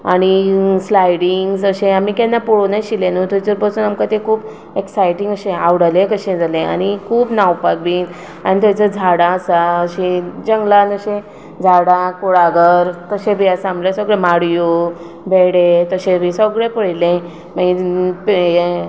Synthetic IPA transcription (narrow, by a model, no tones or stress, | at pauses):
aɽ̃islajɽiŋɡsəɕẽamiːkɛ̃nːapɔɽonaɕilẽnut̪ut͡səɾpəsuːnamkat̪ekʰuːb | eksajʈĩŋɡəɕẽaʋɽəlẽkəɕẽd͡zʱalẽa̰ɽ̃ikʰuːpnawpak̚biː | aɽ̃it̪ãt͡səd͡zʱaɽaəsaəɕid͡ʑəŋɡlanəɕẽ | d͡zʱaɽakoɽaɡəɾt̪əɕẽbʱiasãmblesəɡɭemaɽjo | beɽet̪əɕẽbʱisəɡɭepəɽlẽ | maipje